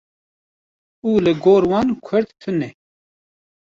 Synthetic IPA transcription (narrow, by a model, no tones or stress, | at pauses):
uːlɨɡoːɾwɑːnkʰʊɾt̪t̪ʰɨnɛ